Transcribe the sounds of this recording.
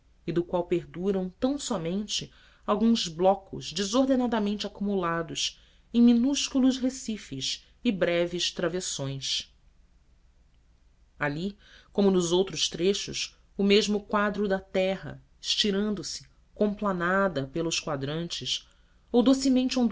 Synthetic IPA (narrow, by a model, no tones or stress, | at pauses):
ɪd̪ʊkwawpeɾd̪uɾɐ̃w̃t̪ɐ̃w̃sɔmẽnt͡ʃɪ | awɡũzblɔkʊ̰zd͡ʒɪzoɦd̪enad̪ɐmẽnt͡ʃɪakumulad̪ʊʃ | ẽj̃minuʃkulʊʃɦesifɪʃ | ɪbɾɛvɪʃt̪ɾavesõj̃s | alikõmʊnʊzowt̪ɾʊʃt̪ɾeʃʊ̰s | ʊmeʒmʊkwad̪ɾʊd̪ɐt̪ɛɦɐ̰ | ɪʃt͡ʃiɾɐ̃nd̪ʊsɪ̥ | kõplanad̪ɐpelˠʊskwad̪ɾɐ̃nt͡ʃɪs | owd̪osɪmẽnt͡ʃɪɐ̃